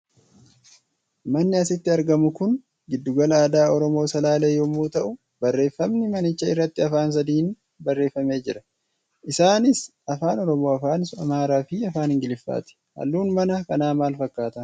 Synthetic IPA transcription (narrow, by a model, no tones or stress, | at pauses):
mɐnːɪɐsɪt̪ːɪɐɾɡɐmʊkʊn | ɡɪd̪ːʊɡɐlɐaːd̪aːɔɾɔmo̞ːsɐlaːleːjoːmuːt̪ɐʔʊ | bɐrːe̞ːfːɐmnɪmɐnɪt͡ʃːɐɪrːɐt̪ːɪɐfaːns̬ɐd̪iːn | bɐrːe̞ːfːɐme̞ːd͡ʒɪɾɐ | ʔɪsaːnɪs | ɐfaːnɔɾɔmo̞ːɐfaːnɪsʊɐ̰maːɾaːfɪɐfaːnɪŋɡɪlɪfːa̰ːt̪ɪ̥hɐ̰lːuːnmɐnɐkɐnaːmaːlfɐkːaːt̪ɐ